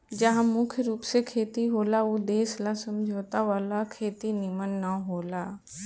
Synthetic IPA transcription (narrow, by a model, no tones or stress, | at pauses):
d͡ʒəɦãmʊkʰjəɾuːpsekʰeːt̪iɦoːlaud̪eːslãsɐmd͡ʒʱoːt̪aʋaːlakʰeːt̪inɪmənːaɦoːlaː